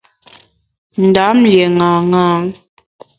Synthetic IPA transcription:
n̩˨da˨˦m̩ljɛ˨ŋa˨ŋaː˦ŋ

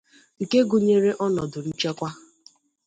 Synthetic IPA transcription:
ŋ̩˨ke˦ɡu˨ɲe˦ɾe˦ʔɔ˦nɔ˨dʊ˨n̩˦t͡ʃe˦kʷa˦

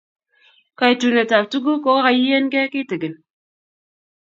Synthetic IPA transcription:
ka˨e˨tu˨ne˨ta˨p̚tu˦ɡu˦ko˦ɣa˦ɣa˨ji˦je˦n˦ke˦ki˦˨tɨ˨ɡɨ˨n

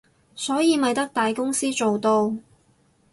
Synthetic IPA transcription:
sɔː˨˥jiː˨˧mɐ˨jt̪ɐ˥k̚t̪aː˨jkʊ˥ŋsiː˥t͡ʃo˨wt̪o˧w

